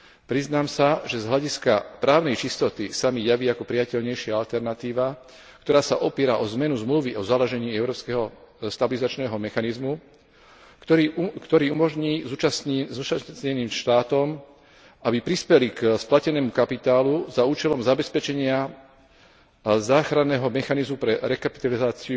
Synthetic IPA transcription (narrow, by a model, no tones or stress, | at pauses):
pɾiznaːmsaʒɛzɦlaɟiskapɾaːʊnɛjt͡ʃist̪ɔt̪isamijaʋiːakɔpɾijacɛʎɲɛjʃɪaalt̪ɛɾnat̪iːʋa | kt̪ɔɾaːsaʔɔpiːɾaʔɔzmɛnuzmluʋiʔɔzalaʒɛɲiːɛʊɾɔːpskɛɦɔst̪abilizat͡ʃnɛːɦɔmɛxanizmu | kt̪ɔɾiːumɔʒɲiːzuaszut͡ʃaɲɛniːmʃt̪aːt̪ɔm | abipɾispɛliksplacɛnɛːmukapit̪aːluzauːt͡ʃɛlɔmzabɛspɛt͡ʃɛɲɪa | zaːxɾanːɛːɦɔmɛxanizmupɾɛɾɛkapi̥t̪alizaːt͡siu